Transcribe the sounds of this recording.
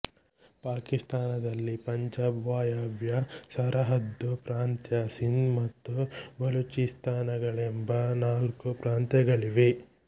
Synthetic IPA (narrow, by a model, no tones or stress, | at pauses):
paːkist̪aːnɐd̪ɐlːipɐɲd͡ʒaːbʋaːjaːbjɐsɐɾɐɦɐd̪ːupɾaːnt̪jɐsind̪mɐt̪ːubɐlut͡ʃist̪ʰaːnɐɡɐɭembɐnaːlkupɾaːnt̪jɐɡɐɭiʋe